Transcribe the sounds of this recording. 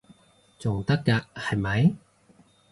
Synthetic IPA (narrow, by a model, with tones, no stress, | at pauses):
t͡sʊ˨ŋt̪ɐ˥kːɐ˧k̚hɐ˨˩jmɐ˨˧˥j